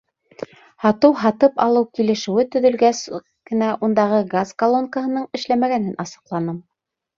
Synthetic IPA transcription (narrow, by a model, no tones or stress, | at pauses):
hɑt̪ɤwɦɑt̪ɤpɑlˠɤwkilɘ̆ʃɘ̆wɘt̪ɵ̆ðɵ̆lɡæs | kɘ̆næʔund̪ɑʁɤɡazkɐlˠonkəɦɤ̆nɤɴɘ̆ʃlæmæɡænɘnɑsɤ̥̆qlˠɑnɤm